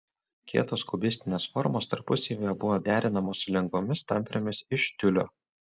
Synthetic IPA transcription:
kʲḭɛt̪oːskʊbʲɪsʲt̪ʲɪnʲeːsfɔɾmoːst̪ɐɾpʊsʲeːʋʲejɛbʊʋoːd̪ʲæːɾʲɪnɐmoːssʊlʲɛŋɡʋomʲɪst̪ɐmʲˑpʲɾʲomʲɪsɪʃt̪ʲʊlʲo̰ː

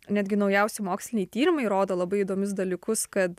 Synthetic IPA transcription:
nʲæːd̪ʲɡʲɪnɒʊjɛʊsʲɪmoːksʲlʲɪnʲɛjt̪ʲiːɾʲɪmɐɪɾoːd̪oːlˠɐbɐɪid̪oːmʲʊs̬d̪ɐlʲiːkʊskɐt̪

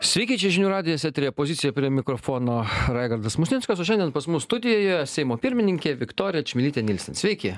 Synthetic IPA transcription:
sʲʋʲɛɪkʲiːt͡ʃʲɛɪʒʲɪnʲuːɾɑːd̪ʲɪjɛsʲɛt̪ʲɾʲejɛpoːzʲɪt̪ʲɪjɛpʲɾʲiɛmʲɪkɾɔfoːnoːɾɑɪɡɐɾd̪ɐsmʊsʲnʲɪnskɐsoːʃʲɛnʲd̪ʲɛnpɐsmʊssːt̪ʊd̪ʲɪjoːjojɛsʲɛɪmoːpʲɪɾʲmʲɪnʲɪŋʲkʲeːʋʲɪkt̪oːɾʲɪjɛt͡ʃʲmʲɪlʲiːt̪ʲenʲɪlʲsʲɛnsʲʋʲɛɪkʲɪ

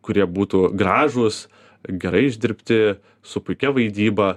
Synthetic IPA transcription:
kʊɾʲiɛbuːt̪uːɡɾɑːʒʊs | ɡʲɛɾɐɪɪʒʲd̪ʲɪɾʲpʲt̪ʲɪ | sʊpʊɪkʲɛʋɐɪd̪ʲiːbɐ

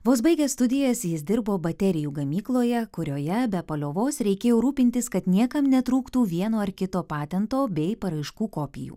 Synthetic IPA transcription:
ʋoːsbɐɪɡʲɛsst̪ʊd̪ʲɪjɛsjɪsd̪ʲɪɾboːbɐt̪ʲɛɾʲɪjuːɡɐmʲiːklˠoːjɛkʊɾʲoːjɛbʲɛpɐlʲoːʋoːsɾʲɛɪkʲeːjɛʊɾuːpʲɪnʲt̪ʲɪskɐt̪nʲiɛkɐmnʲɛt̪ɾuːkt̪uːʋʲiɛnoːɐɾkʲɪt̪oːpɑːt̪ʲɛnt̪oːbʲɛɪpɐɾɐɪʃkuːkoːpʲɪ̰jṵː

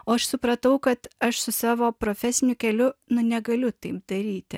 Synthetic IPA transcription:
oːɐʃsʊpɾɐt̪ɐʊkɐt̪ɐʃsʊsɑːʋoːpɾoːfʲɛsʲɪnʲʊkʲɛlʲʊnʊnʲɛɡɐlʲʊt̪ɐɪp̚d̪ɐɾʲiːt̪ʲɪ̰

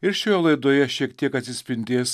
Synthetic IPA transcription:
ɪɾʃʲojɛlˠɐɪd̪oːjɛʃʲiɛkt̪ʲiɛkɐt̪ʲsʲɪsʲpʲɪnʲd̪ʲeːs

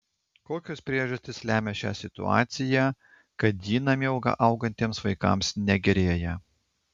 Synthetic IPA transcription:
koːkʲoːspʲɾʲiɛʒɐsʲt̪ʲɪslʲæːmʲɛʃʲæ̰ːsʲɪt̪ʊ̰ɑ̰ːt̪sʲɪjæː | kɐt̪̚d̪ʲiːnɐmʲɛʊɡɑ̰ʔɐʊɡɐnʲt̪ʲeːmsʋɐɪkɐ̰ˑmsnʲɛɡʲɛɾʲeːjɛ

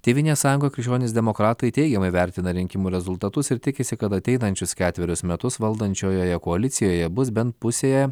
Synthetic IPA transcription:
t̪ʲeːʋʲɪnʲeːsɑːjʊŋɡoːkʲɾʲɪkʃt͡ʃʲoːnʲesd̪ʲɛmokɾɑːt̪ɐɪt̪ʲɛɪɡʲɛmɐɪʋʲɛɾʲt̪ʲɪnɐɾʲɪŋʲkʲɪmuːɾʲɛzʊlˠt̪ɐt̪ʊsɪɾt̪ʲɪkʲɪsʲɪkɐt̪ɐt̪ʲɛɪnɐnʲt͡ʃʲʊskʲæːt̪ʲʋʲɛɾʲʊsmʲɛt̪ʊsʋɐlˠd̪ɐnʲt͡ʃʲoːjoːjɛkoɐlʲɪt̪sʲɪjoːjɛbʊs̬bʲɛnt̪̚pʊsʲeːjɛɛ

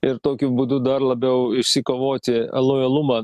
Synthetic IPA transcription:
ɪɾt̪oːkʲʊbʊːd̪ʊd̪ɐɾlˠɐbʲɛʊɪʃʲsʲɪkoːʋoːt̪ʲɪɛ̰lˠoːjɛlˠʊmɑː

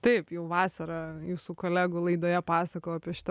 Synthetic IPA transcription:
t̪ɐɪpjɛʊʋɑːsɐɾɐjuːsukoːlʲæːɡulˠɐɪd̪oːjɛpɑːsɐkoːɐpʲiɛʃʲɪ̥t̪

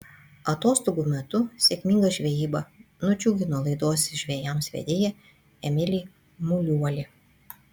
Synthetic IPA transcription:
ɐt̪oːst̪oːɡuːmʲɛt̪ʊsʲeːkʲmʲɪŋɡɐʒʲʋʲɛjiːbɐnʊt͡ʃʲuːɡʲɪnoːlˠɐɪd̪oɔsʲʒʲʋʲeːjɛmsʲʋʲɛ̰d̪ʲeːjɛ | ɛmʲɪlʲɪ | mʊlʲuɔlʲɪ

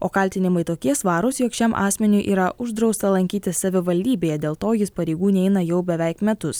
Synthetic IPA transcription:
oːkɐlʲt̪ʲɪnʲɪmɐɪt̪oːkʲiɛsʋɑːɾʊsjoːkʃʲɛmʔɑ̰ːsʲmʲɛnʲʊʔḭːɾɐʔʊʒd̪ɾɒʊst̪ɐlˠɐŋʲkʲiːt̪ʲɪsːɐʋʲɪʋɐlʲd̪ʲiːbʲeːjɛd̪ʲeːlˠt̪oːjɪspɐɾʲɛɪɡuːnʲɛɪnɐjɛʊbʲɛʋʲɛˑɪkmʲɛt̪ʊs

